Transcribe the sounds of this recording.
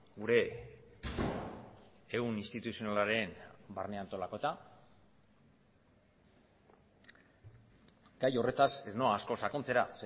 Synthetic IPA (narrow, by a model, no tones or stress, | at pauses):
ɡuɾe̞ | unist̪it̪usio̞nalaɾe̞nbarneant̪o̞lako̞et̪a | ɡ̥ajo̞re̞t̪ase̞zno̞aːsko̞sako̞nt͡se̞ɾa̰s